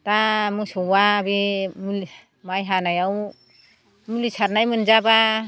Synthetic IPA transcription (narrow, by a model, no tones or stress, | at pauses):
tamɯsɔwabimul | majɦanajaw | mulisʰaɾnajmɯnzaba